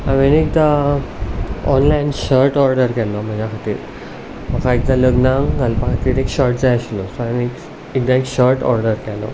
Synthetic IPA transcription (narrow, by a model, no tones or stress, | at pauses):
aʋenek̚d̪a | ɔ̰nlajnɕəɾʈɔɾɖəɾkɛlɔm̤əd͡ʑakʰat̪ḭːɾ | pakʰaek̚d̪aləɡnaŋɡɡalpakʰat̪iːɾekɕəɾʈd͡zajɕlɔsaanek | ekd̪aekɕəɾʈɔ̰ɾɖəɾkɛlɔ̰